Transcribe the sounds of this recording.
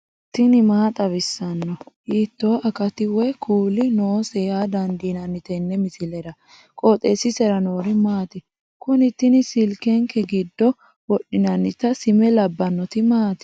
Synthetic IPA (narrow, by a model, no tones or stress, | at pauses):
t̪ːɪnɪmaːt̪ʼɐβɪsːɐnːɔhiːt̪ːo̞ːʔɐkɐt̪ɪwɛkʰuːlɪnoːsɛjaːd̪ɐnd̪iːnɐnːɪt̪ɛnːɛmɪsɪlɛɾɐ | kʼoːt̪ʼeːsːɪsɛɾɐno̞ːɾɪmaːt̪ɪ | kʊnɪt̪ːɪnɪsɪlkɛŋkʰɛɡɪd̪ːɔ | wɔɗɪnɐnːɪt̪ːɐsɪmɛlɐbːɐnːɔt̪ɪmaːt̪ɪ̥